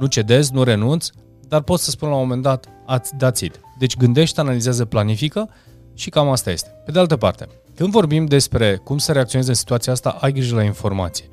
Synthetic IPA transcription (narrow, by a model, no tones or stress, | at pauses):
nut͡ʃe̞d̪e̞znuɾe̞nunt̪s | d̪arpo̞t̪səspunlawmo̞me̞nd̪at̪ | ad̪at̪sḭt̪d̪e̞t͡ʃʲɡɨnd̪e̞ʃt̪t̪analizeazəplanifikə | ʃikamast̪aje̞̰st̪epe̞d̪ealt̪əpa̰rt̪e̞̥̰ | kɨnd̪vo̞rbimd̪e̞spɾe̞kumsəɾeakt̪sionezeɨnsi̥t̪uat̪sijaast̪a̰ʔajɡɾiʒəlainfo̞rma̰t̪sije